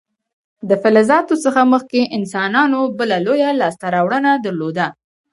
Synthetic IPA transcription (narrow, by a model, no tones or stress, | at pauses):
d̪əfɪlɪzɑt̪osəxaməxkeʔɪnsɑnɑnobəlalojalɑst̪aɾɑwɽənad̪əɾlod̪a